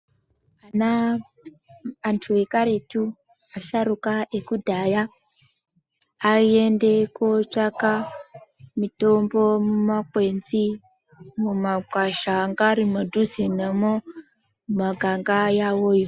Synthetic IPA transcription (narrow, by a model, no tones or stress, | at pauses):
ana | ntʰuekaɾetu | asaɾukaʔekudʱaja | iendekot͡ʂaka | mito̞mbo̞mumakwenzi | mumakwaʃaŋɡaɾimadʱuzinemo | maɡʱaŋɡajawoːjo